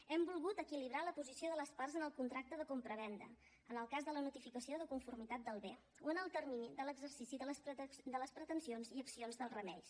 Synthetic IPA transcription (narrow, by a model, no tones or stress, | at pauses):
ɛmbulˠɣut̪əkiliβ̞ɾaləpuzisioðələsparzənəlˠkunt̪ɾak̚t̪əðəkompɾəβ̞ɛnd̪ə̰ | ənəlˠkazðələnut̪ifikəsioðəkuɱfurmit̪at̪̚d̪əlˠβe | oənəlˠt̪ərminid̪ələɡzərsisiðəld̪ələspɾət̪ənsionziəksionzðəlˠrəmɛ̰ʎs